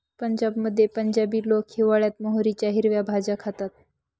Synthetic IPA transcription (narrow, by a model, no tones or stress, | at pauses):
pəɲd͡ʑabməd̪ʱːjepəɲd͡ʑabiːlokhiʋaɭjat̪moɦoɾit͡ɕjaɦiɾʋjabʱad͡zakʰat̪at̪̚